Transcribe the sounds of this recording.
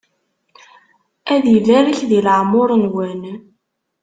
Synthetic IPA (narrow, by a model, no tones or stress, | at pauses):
æðjəlːæɾəçðiləʕmʊɾˤənwæn